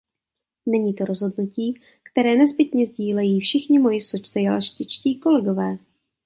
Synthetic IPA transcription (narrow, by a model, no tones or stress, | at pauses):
nɛɲiːt̪o̞ɾozɦo̞dnuciː | kt̪ɛɾɛːnɛzbɪt̪ɲɛzɟiːlɛjiːfʃɪxɲɪmo̞jɪsot͡ʃsɛjalaʃcɪt͡ʃciːko̞lɛɡo̞vɛː